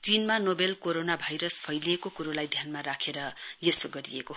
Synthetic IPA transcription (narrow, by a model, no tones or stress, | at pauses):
t͡sinmanobelkoɾonabʱajɾʌspʰʌjliekokuɾolajd̪ʱjanmaɾakʰeɾʌjesoɡʌɾḭeko